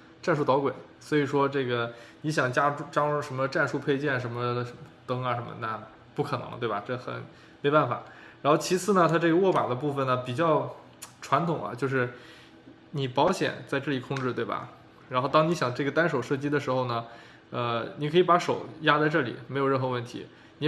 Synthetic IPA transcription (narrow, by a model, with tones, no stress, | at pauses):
ʈ͡ʂa˥˧nʂu˥˩t̪ɑ˧˥ʊkwe˨˩˦ɪ | swɔ˧˥i˨˩ʂwɔ˥ʈ͡ʂɤ˥˩ɡə˩ni˧˥ɕjɑ˨˩ŋt͡ɕja˥ʈ͡ʂu˥˧ʈ͡ʂɑ˥ʊ˥˩ʂə˧˥nmə˧ʈ͡ʂa˥˧nʂu˥˧pʰe˥˧ɪt͡ɕjɛ˥˩nʂə˧˥nmə˧t̪ɤ˥ŋə˩ʂə˧˥nmə̰˧na˥˩ | pu˥˩kʰɤ˨˩nɤ̰˧˥ŋt̪we˥˩ɪbɐ˩ʈ͡ʂɤ˥˩xə̰˨˩n | me˧˥ɪpa˥˩nfa̰˨˩˦ɻa˧˥n˥xo˥˩ʊt͡ɕʰi˧˥t͡sʰɹ̩˥˩nə˩t̪ʰa˥ʈ͡ʂɤ˥˩ɡə˩wɔ˥˩ma̰˨˩d̪ə˦pu˥˩fə˩nnə˩pi˨˩t͡ɕjɑ˥˩˧ʊ | ʈ͡ʂʰwa˧˥nt̪ʰʊ˨˩ŋɐ̰˦t͡ɕjo˥˧ʊʂ̬ɻ̩˥˩ | ni˨˩pɑ˧˥ʊɕjɛ̰˨˩˦nt͡sa˥˧ɪʈ͡ʂɤ˥˩li˨˩kʰʊ˥˧ŋʈ͡ʂɻ̩˥˧t̪we˥˩ɪbɐ̰˩ | ɻa˧˥nxo˥˧ʊt̪ɑ˥ŋni˧˥ɕjɑ˨˩ŋʈ͡ʂɤ˥˩ɡə˩t̪a˥nʂo˨˩ʊʂɤ˥˩t͡ɕi˥d̪ə˨˧ʂɻ̩˧˥xo˧ʊnə˩ | ə˧ni˨˥kʰɤ˧˥i˧˩pa˧˥ʂo˨˩ʊja˥t͡sa˥˧ɪʈ͡ʂɤ˥˩lḭ˨˩me˧˥ɪjʊɻə˥˩nxɤ˧˥wə˥˩nt̪ʰḭ˧˥ | ni˨˧